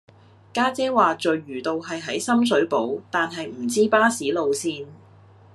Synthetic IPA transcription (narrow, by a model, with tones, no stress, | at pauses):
kaː˥t͡sɛː˥waː˨t͡ʃɵ˨ɥɥyː˨˩t̪o˨wɦɐ˨jɦɐ˨˥jsɐ˥ms̬ɵ˨˥ɥpo˨˥wt̪aː˨nɦɐ˨jm̩˨˩t͡siː˥paː˥siː˨˥lo˨wsiː˧n